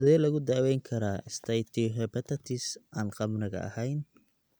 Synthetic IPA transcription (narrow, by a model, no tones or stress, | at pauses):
ðɛːlɐɣʊd̪aːwɛjŋkʰɐɾaːʔɪst̪ʰɐjt̪ʰiɦɛpɐt̪ʰɐt̪ʰisaːnqɑbnɪɣɐ̰ʔɐ̰hɛjn